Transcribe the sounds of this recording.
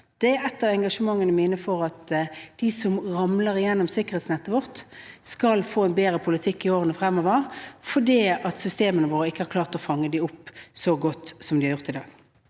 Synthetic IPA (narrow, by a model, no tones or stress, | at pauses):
d̪̥ɛɛt̪ːəʁɛŋɡɑʂəmɑŋːənəmɪnəfɔʁɑt̪d̪̥ɪsɔmʁɑmləʁɪjɛnːɔmsɪkːəʁheːt̪snɛt̪ːəʋɔʁt̪skɑlfoːɛnbeːɾəpʰʊlɪt̪ʰɪkːɪoːʁənəfɾɛmːɔːʋəʁfɔɖiːɑt̪sʏst̪eːmənəʋoːɾəɪkːəhɑɾkʰlɑːʁt̪ɔfɑŋːəd̪ɪʊpːsɔɡɔt̪ːsɔmd̪ɪhɑɾjʊʁt̪ɪd̪ɑ̰ːɡ